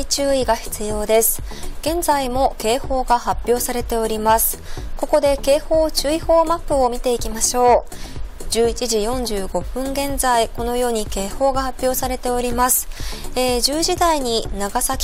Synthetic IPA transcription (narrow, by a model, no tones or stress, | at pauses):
it͡ɕɨːiɡaçi̥t͡sɨjo̞ːd̪e̞sɨ̥ɡ̥ẽ̞nd͡zaimo̞ke̞ːho̞ːɡahapʲːjo̞ːsaɾe̞t̪e̞o̞ɾʲimasɨ̥ko̞ko̞d̪e̞ke̞ːho̞ːt͡ɕɨiho̞ːmapːɯ̟o̞mʲit̪e̞ikʲimaɕo̞ː | d͡ʑɨːit͡ɕiʑijõ̞ɲ̟d͡ʑɨːɡo̞ɸɯ̟̃ŋɡẽ̞nzaiko̞no̞jo̞ːɲ̟ike̞ːho̞ːɡahapʲːjo̞ːsaɾe̞t̪e̞o̞ɾʲimasɨ̥eʑɨːʑid̪aiɲ̟inaɡasakʲ